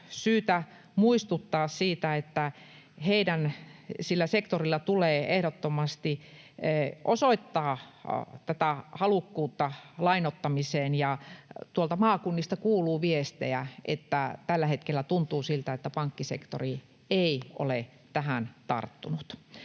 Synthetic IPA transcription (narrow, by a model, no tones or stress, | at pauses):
syːt̪æ | muist̪ut̪ːɑːssiːt̪æet̪ːæ | heidænsilːæsekt̪orilːɑt̪uleːehɾot̪ːomɑst̪i | ʔosoit̪ːɑːt̪æt̪æhɑlukːuːt̪ːɑlɑinot̪ːɑmiseːnjɑt̪uolt̪ɑmɑːkunːist̪ɑkuːluːʋiest̪eæʔḛt̪ːæt̪ælːæhet̪kelːæt̪unt̪uːsilt̪æet̪ːæpɑŋkːisḛkt̪o̰ri | eiʔo̰le | t̪æhænt̪ɑ̰rt̪ːunut̪